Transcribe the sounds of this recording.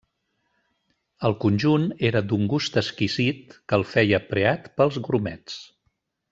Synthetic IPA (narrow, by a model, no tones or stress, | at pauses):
əlˠkunʲʒuneɾəd̪uŋɡust̪əskizit̪̚kəlˠfɛjəpɾeat̪pəlˠzɣɾumɛt͡s